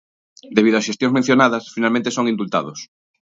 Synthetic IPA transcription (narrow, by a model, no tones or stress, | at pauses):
d̪eβiðʊɐsʃest̪jõŋzmẽn̟θjonaðɐsfinalmẽnt̪esoŋĩnd̪ult̪a̰ðʊs